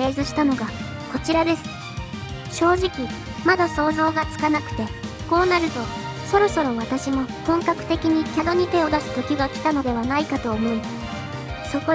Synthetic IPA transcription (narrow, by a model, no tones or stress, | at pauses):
e̞ːzɨɕi̥t̪ano̞ɡa | ko̞t͡ɕiɾad̪e̞sɨ̥ | ɕo̞ːʑikʲi | mad̪aso̞ːzo̞ːɡat͡sɨ̥kanakɯ̟̥t̪e̞ | ko̞ːnaɾɯ̟t̪o̞ | so̞ɾo̞so̞ɾo̞βat̪aɕimo̞t̪õ̞ŋkakɯ̟̥t̪e̞kʲiɲ̟ikʲad̪o̞ɲ̟it̪e̞o̞d̪asɨ̥t̪o̞kʲiɡakʲi̥t̪ano̞d̪e̞β̞anaikat̪o̞ːmo̞i | so̞ko